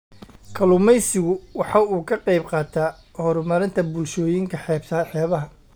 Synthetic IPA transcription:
kʰɐlʊmɛjsɪɣʊwɑħɑːuːkʰɐqɑjbqɑːt̪ʰaː | hɔɾʊmɐɾɪnt̪ʰɐbʊlʃɔːjɪŋkʰɐħɛːbsɐħɛːβɐɦɐ

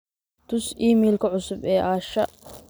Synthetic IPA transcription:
t̪ʰʊsiːmiːlkʰɐʕʊsʊbɛːʔaːʃɐ

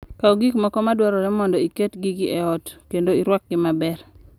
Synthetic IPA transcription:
kaoɡikmɔkɔmadwɔɾɔɾɛmɔndɔiketɡiɡiʔɛɔtkendoiɾwɔk̚ɡɪmabɛr

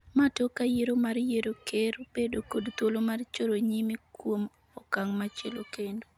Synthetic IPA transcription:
matokajeɾomarjeɾokʰerb̥edokodt̪wolomart͡ʃoɾoɲimikwom | ɔkaŋmat͡ʃelokendo

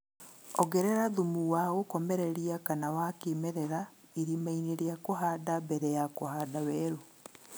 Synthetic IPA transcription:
ɔɡɛɾɛɾaðumuwaɣokɔmɛɾɛɾiakanawakemɛɾɛɾaiɾimaineɾejakoɦadabɛɾɛjakohadawɛːɾo

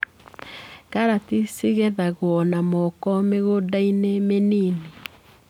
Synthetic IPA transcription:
kaɾatisiɣɛðaɣwɔnamɔkɔmeɣodainemeniːne

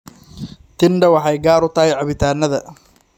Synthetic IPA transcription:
t̪ʰɪnɖɐwɑħɑjɡaːɾʊt̪ʰɐɦɛjʕɑβɪt̪ʰaːnːɐðɐ

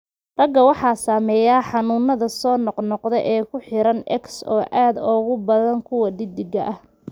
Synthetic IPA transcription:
rɐɡɐwɑħɑːsaːmɛːjaːħɑnʊːnːɐðɐsɔːnɔqnɔqðɛjʔɛːkʰʊħɪɾɐnɛ̰ksɔːʔaːd̪ɔːɣʊbɐðɐŋkʰʊwɐd̪ɪd̪ɪɡɐʔɐh

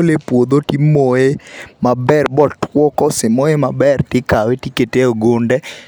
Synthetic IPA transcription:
lepwod̪otimoemabɛrbɔtʰwɔkɔsɪmɔemabɛrtɪkawetiketeoɡondɛ

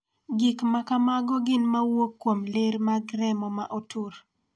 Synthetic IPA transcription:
ɡɪkmakamaɡɔɡɪnmawokːwomleɾmaɡɾɛmɔmaʔotʰʊɾ

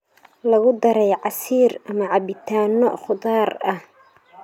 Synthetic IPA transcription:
lɐɣʊd̪ɐɾɛjʕɑsiːrɐmɐʕɑbɪt̪ʰaːnɔ̰χʊðaːrɐh

